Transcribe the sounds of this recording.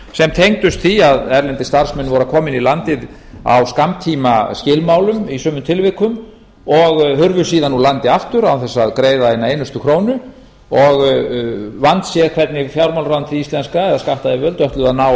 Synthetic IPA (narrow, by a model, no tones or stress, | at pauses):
sɛmt̪ʰejŋt̪ʏst̪θiaðɛɾlɛnt̪ɪst̪aɾ̥smɛnːvɔːɾakʰɔːmɪnilant̪ɪð | a̰wskamt̪ʰiːmascɪlmawlʏmisœːmʏt̪ʰɪlvɪkʏm | ɔɣhʏɾvʏsiːðanːulant̪ɪaft̪ʏɾawθɛsːaðkɾeːjðaejnaeːjnʏst̪ʏkʰɾoːwnʏ | ɔɣ | vant̪sjɛɣkʰvɛt̪nɪfjawɾmawlɾaant̪ʰɪlist̪lɛnskaɛðaðskaht̪aðɪvœlt̪œht̪lʏðaðnaːw